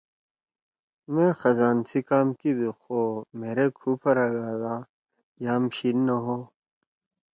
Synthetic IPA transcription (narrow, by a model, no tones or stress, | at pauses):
mẽxɐzaːnsikaːmkid̪uxoːmeːɾekʰuːpʰɐɾɐɡaːd̪aː | jaːmɕinnɐɦoː